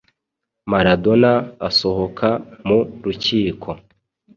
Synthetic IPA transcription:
maɾado̞naːso̞ho̞kʰamuɾuciːkʰo̞

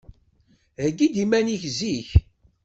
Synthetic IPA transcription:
ðəɡːid̪imæniçziç

